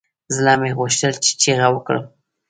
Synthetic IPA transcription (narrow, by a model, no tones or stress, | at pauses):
zlɑmeɣəʃt̪əlt͡ʃe̥t͡ʃeɣawəkɽə̰m